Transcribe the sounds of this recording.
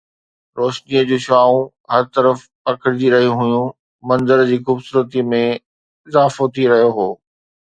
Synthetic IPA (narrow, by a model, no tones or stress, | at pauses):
ɾoːʃniəd͡ʑoːʃaːũ | ɦɐɾt̪ɐɾəf | ɐkʰəɾɪd͡ʑiɾɐɦijũɦʊjũ | mɐ̃nzəɾd͡ʑiːxuːbsuːɾət̪imẽ | ɪzaːfot̪ʰiɾɐɦijoɦoː